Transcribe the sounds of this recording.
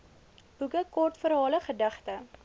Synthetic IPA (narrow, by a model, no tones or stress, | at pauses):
b̥uɡəkɔrtfəɾɦɑːləχədɐχtə